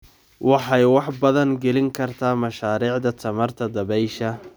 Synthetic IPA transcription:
wɑħɑjwɑħbɐðɐŋɡɛlɪŋkʰɐrt̪ʰaːmɐʃaːɾiːʕd̪ɐt̪ʰɐmɐrt̪ʰɐd̪ɐβɛjʃɐ

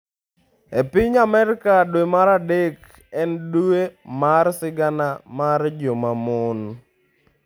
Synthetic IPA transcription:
epɪɲamɛɾɪkadwemaɾadek | ɛnduemarsɪɡanamard͡ʒomamɔn

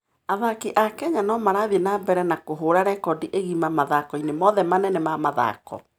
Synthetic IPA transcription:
aðakiʔakɛɲanɔmaɾaðienabɛɾɛnakoɦoːɾaɾɛkɔdiʔeɣimamaðakɔinemɔðɛmanɛnɛmamaða̰kɔ̰

